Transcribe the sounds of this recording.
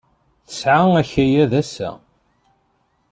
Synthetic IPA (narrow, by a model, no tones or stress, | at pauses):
θə̥sʕaæçæjæðæsæ̰